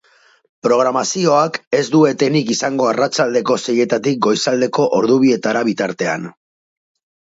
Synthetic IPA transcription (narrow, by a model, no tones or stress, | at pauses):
pɾo̞ɣ̞ɾamasio̞ake̞zd̪ue̞t̪e̞nikisaŋɡo̞arat͡ʃald̪e̞ko̞seje̞t̪at̪ik̚ɡo̞jsald̪e̞ko̞ʔoɾðuβ̞ie̞t̪aɾaβ̞it̪aɾt̪e̞a̰n